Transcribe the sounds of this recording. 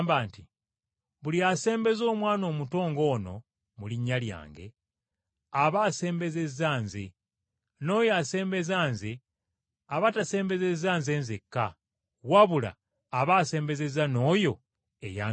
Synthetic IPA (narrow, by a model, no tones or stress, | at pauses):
mbaːnti | βuliase̞ːmbe̞zo̞ːmwaːno̞ːmuto̞ːŋɡo̞ːno̞̰ | muliɲːalja̰ːŋɡe̞̰ | aβaːse̞ːmbe̞ze̞zːaːnzḛ | no̞ːjase̞ːmbe̞zaːnze | aβatase̞ːmbe̞ze̞zaːnze̞ːnzekːa | waβula̰ː | βaːse̞ːmbe̞ze̞zano̞ːjo̞ | ḛja